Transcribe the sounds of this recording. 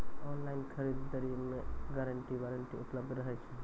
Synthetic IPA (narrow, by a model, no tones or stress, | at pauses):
ɔːnlaɪnkʰəɾid̪ːəɾimẽɡaɾəɳʈiʋaɾəɳʈiʊpləb̚d̪ɾəɦɛt͡ʃʰe